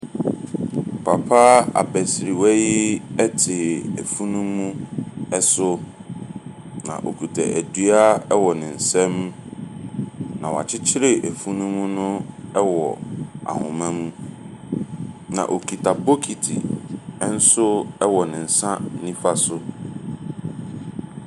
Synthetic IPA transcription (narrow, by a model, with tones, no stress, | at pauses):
pʰa˨pʰaː˦a̰˨bɛ˨sɾi˨wɛ˦ji˦ɛ˦tʰɪ˨æ˨fũ˦nũ˦mũ˦ɛ˦sʊ˦ | nã̰˨ʔo̰˨kʰu˨tʰɛ˨ʔæ˨dɥa˦ɛ˦wɔ˨nɪ̃˨n̩˨sɛ̃˦m̃˦ | nã˨wa̰˨t͡ɕʰɪ˦t͡ɕʰɪ˦ɾɪ˨ʔæ˨fũ˦nũ˦mũ˦nʊ̃˦ɛ˦wɔ˨a̰˨hʊ̰̃˨mã˦mũ˦ | nã̰˨ʔo˨kʰi˨tʰa˨bo˦kʰi˨tʰḭ˨˦n̩˦sʊ˦ɛ˦wɔ˨nɪ̃˨n̩˨sã˦nĩ˦fa˦sʊ˦